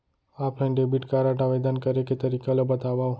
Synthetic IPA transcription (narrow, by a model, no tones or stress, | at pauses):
apʰlajnɖebiʈkaɾaʈaʋed̪ankəɾeket̪əɾikalobət̪aʋaw